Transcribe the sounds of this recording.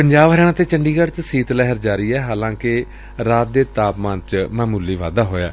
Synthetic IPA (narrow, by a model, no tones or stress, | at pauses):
pəɲd͡ʒaːbɦəɾɛːnãːt̪eːt͡ʃəɳɖiːɡəɽt͡ʃsiːt̪lɛɦəɾd͡ʒaːɾiːɛːɦaːlãːkɪ | ɾaːt̪̚d̪eːt̪aːpmãnt͡ʃmɛ̃ːmʊlːiːʋaːd̪aːɦoːja̰ː